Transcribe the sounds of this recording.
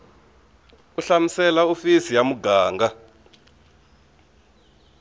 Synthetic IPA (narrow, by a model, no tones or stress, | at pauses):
uɬamisɛlaufisijamuɡaːŋɡa